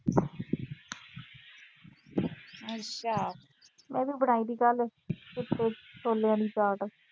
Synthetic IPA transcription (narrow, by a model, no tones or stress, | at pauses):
ət͡ʃʰa | mɛ̃ːbibəɽaːiːd̪iːkəlkɪt̪ːeːsʰoːleãːd̪iːt͡ʃaːʈ